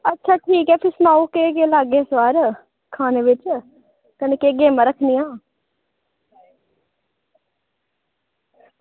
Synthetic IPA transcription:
ətːʃʰaːʈʰiːkɛːpʰɪɾsʊnaːoːkeːɡeːlaːɡeːswaːɾ | kʰaːneːʋɪt͡ʃ | kəneːkeːɡeːmãɾəkʰnijãː

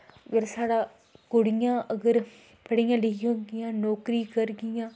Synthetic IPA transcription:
ʋeɾsaːɽaː | kʊɽɪjãːʔəɡəɾ | pəɽɪjãːlɪiɦõɡɪjãːnoːkɾiːkəɾɡɪjãː

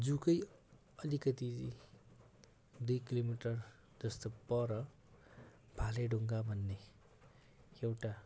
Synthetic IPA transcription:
d͡zukʌj | ʌlikʌt̪id͡zi | d̪ujkilomiʈʌr | d͡zʌst̪opʌɾʌ | bʱaleɖʱuŋɡabʱʌnːe | ewʈa

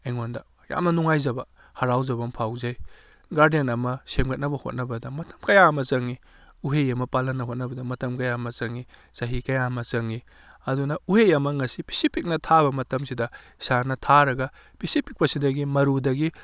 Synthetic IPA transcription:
ejŋondɐ | ja̰mnɐnuŋajzɐbɐ | hɐɾawzɐbɐmpʰawzaj | ɡaɾdenɐmɐsemɡɐt̚nɐbɐho̰t̚nɐbɐdɐmɐtɐmkɐjaɐmɐzɐŋi | uɦejɐmɐpalɐnːɐɦot̚nɐbɐdɐmɐtɐmkɐjamɐzɐŋisɐɦikɐjamɐt͡ʃɐŋi | ɐdunɐuhejɐmɐŋɐsipʰi̥sipʰik̚nɐtʰabɐmɐtɐmsidɐ | sanɐtʰaɾɐɡɐ | pʰisipʰik̚pɐsidɐɡimɐɾudɐɡi

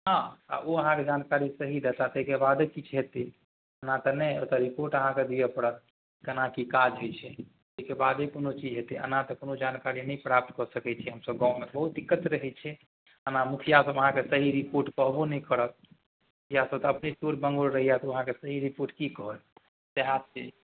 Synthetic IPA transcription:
ɦãa̰ʔoəɦãked͡ʒankaɾisəɦid̪at̪at̪əɦikebad̪ekit͡ʃʰɦet̪i | ənat̪ənɛot̪əɾipoɾʈəɦãked̪ijɛpəɽət̪̚ | kənakikad͡ʒɦojt͡ʃʰɛ | t̪əɦikebad̪ekonot͡ʃid͡ʒɦet̪iə̰nat̪ɔkonod͡ʒankaɾinɛjpɾap̚t̪kɔsəkɛt͡ʃʰɛɦəmsəb̚ɡãumebəɦut̪̚d̪ikːət̪ɾəɦɛt͡ʃʰɛ | ənamukʰijasəbəɦãkesəɦiɾipoɾʈkɔɦbonɛjkəɾət̪̚ | mukʰijasəbt̪əpnet͡ʃuɾbə̃ŋɡoɾɾəɦijat̪əɦãkesəɦiɾipoɾʈkikɔɦət̪ | seɦat̪t͡ʃe

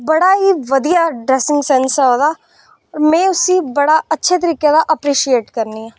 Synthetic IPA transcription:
bəɽaːɦiːʋəd̪ijaːɖɾɛsɪ̃ŋɡsɛnsɦoːd̪aː | ɔːɾmɛ̃ːʊsiːbəɽaːətːʃʰet̪̬əɾiːked̪aʔəpɾiːʃieːʈkəɾniːãː

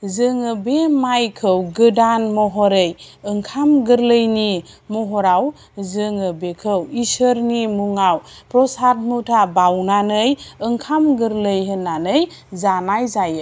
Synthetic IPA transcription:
zɯŋɯbemajkʰɯwɡɯdanmɔɦɔɾɯjɯŋkʰamɡɯɾləjni | mɔɦɔɾaw | zɯŋɯbekʰɯwisəɾnimuŋaw | pɾɔsat̚mutʰabawnanɯjɯŋkʰamɡɯɾlɯjɦɯnanɯjzanajzajɯ

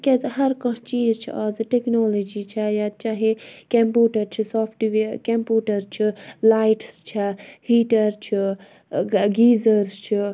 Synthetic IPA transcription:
kʲezɦɐɾkɐ̃t͡ʃiːzt͡ʃʰḭaːzʈeknoːlod͡ʒit͡ʃʰajat͡ʃaːɦekɐ̃mpuːʈɐɾt͡ʃʰisɔːpʰʈʋekɐmpjuːʈɐɾt͡ʃʰilaːjʈst͡ʃʰahiːʈɐɾt͡ʃʰi | ɡiːzəɾst͡ʃʰi

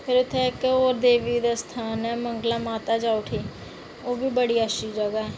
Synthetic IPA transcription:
pʰɪɾʊt̪ʰːẽːɪkoːɾd̪eːʋiːd̪aːst̪ʰaːnɛːməŋɡlaːmaːt̪aːd͡ʒaːʊʈʰeː | oːbiːbəɽiːəʃiːd͡ʒəɡaːɛː

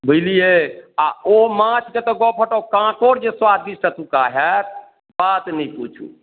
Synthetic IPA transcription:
bʱəjlijeaomãt͡ʃʰd͡ʒet̪ɔɡɔpʰəʈɔkãkoɾd͡ʒeswad̪̚d̪isʈat̪ũkaɦɛɾ | bat̪nɛput͡ʃʰṵ

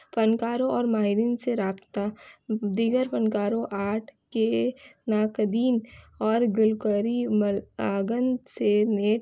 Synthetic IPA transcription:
pənkaːɾõɔːɾmaːɦɪɾiːnseɾaːpt̪ad̪iːɡəɾpənkaːɾõʔaːʈʰkenaːkəd̪iːn | ɔːɾɡʊlkəɾimaːɡənseneːʈ

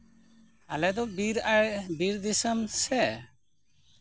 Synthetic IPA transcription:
alɛd̪ɔbiɾabiɾd̪isəmsɛ

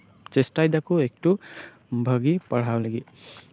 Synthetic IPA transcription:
t͡ʃesʈajd̪akuek̚ʈu | bʱəɡipaɽ̤awleɡi

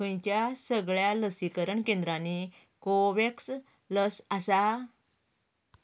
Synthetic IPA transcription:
əjt͡ɕjasəɡɭjaləsikəɾəɳkẽnd̪ɾãni | koʋeks | ləsasa

